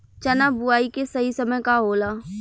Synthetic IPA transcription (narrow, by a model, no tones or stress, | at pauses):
t͡ʃɐnabʊaːikesɐɦisɐməjkaɦoːlaː